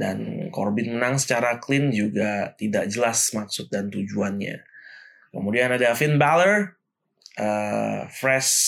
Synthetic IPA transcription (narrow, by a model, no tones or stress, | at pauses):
da̰nkɔrbɪnmənaŋsə̥t͡ʃaɾaklɪnd͡ʒuɡat̪idaʔ̚d͡ʒəlasmaksʊt̪̚dant̪ud͡ʒuanɲa̰ | kəmudianadafɪnbalər | ʔəfɾɛs